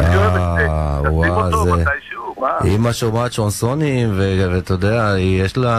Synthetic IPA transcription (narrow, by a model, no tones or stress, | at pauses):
a | waze | imaʃomat̪ʃonsonimvevet̪od̪eaijeʃla